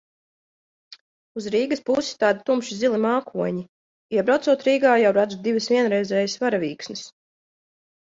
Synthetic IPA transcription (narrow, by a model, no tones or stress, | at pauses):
uzɾiːɡɐspusi̥t̪aːd̪it̪umʃizilˠimaːkʰuɔɲi | iɛbɾawt̪suɔt̪ɾiːɡaːjawɾad̪zud̪ivəsvʲiɛnɾɛjzɛːjasvaɾavʲiːksnɨs